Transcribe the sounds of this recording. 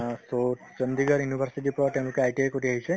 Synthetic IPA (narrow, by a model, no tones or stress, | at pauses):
so | t͡ʃənd̪iɡəɾjunibʱəɾsiʈipɾɔʈemkeajʈiekoʈiɦəɦit͡ʃʰe